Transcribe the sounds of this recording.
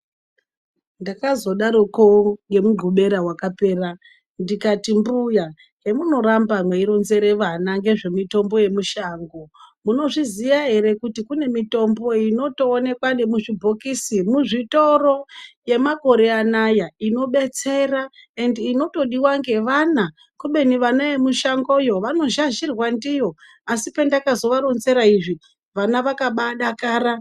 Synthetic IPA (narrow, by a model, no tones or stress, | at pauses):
ndakazo̞ɗaɾokoŋɡe̞muɡʱuɓe̞ɾawakape̞ːra | ndikatimbuja | je̞muno̞ɾambamweiɾo̞nze̞ɾeʋanaŋɡe̞ʐe̞mito̞mbo̞je̞muʃaːŋɡo̞muno̞ʐizijaɦe̞ɾe̞kutikune̞mito̞mbo̞ino̞to̞ːne̞kwanɗemuʐibʱo̞kisimuʐito̞ro̞je̞mako̞ɾe̞anajaino̞ɓe̞t͡se̞rae̞ndːno̞to̞ɗiwaŋɡe̞ʋana | kuɓe̞niʋanajemuʃaŋɡo̞jo̞ʋano̞ʒaʒirwandijo̞ | asipe̞ndakazo̞ʋaɾonze̞ɾaiʐi | ʋanaʋakaɓaɗakaːɾa